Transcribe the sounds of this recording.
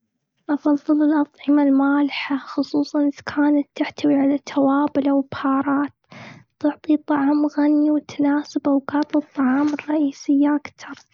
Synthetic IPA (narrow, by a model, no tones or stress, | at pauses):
ʔɑfɑðˤːɨlɪlʔɑt̪ˤʕɪmalmaːlɪħaxʊsˤuːsˤɑnkʰaːnat̪ːɪħt̪awiʕalat̪ʰawaːbɪlawɪbhɑːɾˤɑːt̪t̪ɨʕt̪ˤit̪ˤːɑʕɑːmɣanːiwt̪ʰḁnaːsɪbawɡɑːt̪ˤɨt̪ˤːɑʕɑːmɪrˤːɑʔiːsɪjːaʔakt̪ɑɾˤ